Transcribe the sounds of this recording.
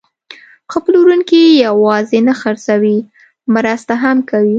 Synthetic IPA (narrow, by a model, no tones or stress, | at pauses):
xəpluɾunkijawɑzenaxaɾsawi | mɾast̪aɦamkawi